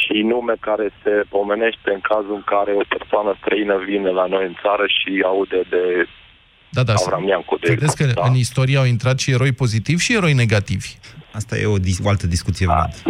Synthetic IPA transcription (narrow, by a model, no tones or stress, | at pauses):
ʃinume̞kaɾe̞se̞o̞me̞ne̞ʃt̪e̞ɨŋkazuɨŋkaɾe̞o̞persoanəst̪ɾəinəvinelano̞jɨnt̪saɾəʃiaud̪ed̪e | d̪ad̪aavɾamjaŋkod̪ed̪eskəɨnist̪o̞ɾijeawint̪ɾat̪ʃieɾo̞jpo̞zit̪ivʲʃie̞ɾo̞jne̞ɡat̪ivʲast̪a̰jḛod̪ioalt̪əd̪iskut̪sijeva̰d̪